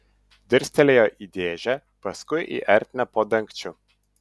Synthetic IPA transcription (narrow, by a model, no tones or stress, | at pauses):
d̪əɾst̪ɛlɛjɔʔid̪ɛʒɛ | pɐskujʔḭʔɛɾt̪napɔd̪əŋkt͡ʃu